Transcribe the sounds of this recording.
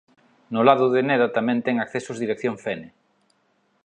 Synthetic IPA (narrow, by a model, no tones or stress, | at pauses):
nʊlaðʊðɪneðat̪amɛ̃nt̪ɛŋakθesʊzðiɾekθjoɱfɛne